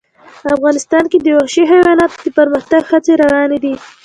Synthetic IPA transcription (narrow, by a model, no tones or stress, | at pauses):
afɣɑnɪst̪ɑnked̪əwaxʃiɦajwɑlɑt̪d̪əpəɾməxt̪aɡxat͡seɾawɑned̪i